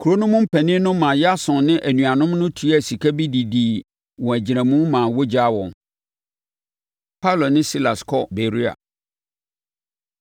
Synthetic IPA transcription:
kʰu˨ɾo˦nʊ̃˦mʊ̃˦m̩˦pʰæ˨nɪ̃˦nʊ̃˦mã˨jɛ˦a˦sʊ̃˨nnɪ̃˦ʔæ˨nũ˨a˨nʊ̃˦mnʊ̃˦tʰu˦æ˦˨si˨kʰæ˦bi˦di˨di˨ | wɔ̃˨æ˨d͡ʑi˨ɾæ̃˨mũ˦mãː˨wo˦d͡ʑa˦wɔ̰̃˨n | pʰa˦˨lo˨nɪ̃˦si˦la˨skʰɔ˦be˨ɾi˦a̰˨

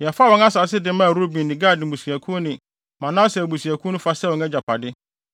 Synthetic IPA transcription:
jɛ˨faː˦wɔ̃˨˦ŋa˦saː˨˦s̬ɪ˦dɪ˨˦mã˦˨ɾo˦bĩ˨nɪ̃˨ɡaː˦˨dɪ̃˨bu˨si˨æ˨kʰu˦o˦nɪ̃˨ | mã˨nã˦sɛ˨bu˨si˨æ˨kʰu˦nũ˦fa˦sɛ˦˨wɔ̃˨ŋɛ˦d͡ʑa˨pʰa˨dɪ˦

